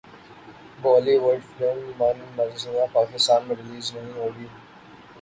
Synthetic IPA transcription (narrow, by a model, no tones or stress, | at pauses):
bɔːliːʋəɖfɾeːmmaːnmɐzzũjãːpaːkɪst̪aːnmẽɾɪliːznɐɦĩɦoːɡiː